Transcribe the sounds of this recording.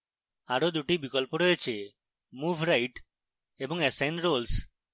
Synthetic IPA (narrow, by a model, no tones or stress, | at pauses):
aɾod̪uʈibikɔlpoɾojet͡ʃʰe | mubʱɾajʈ | ebɔŋesajnɾols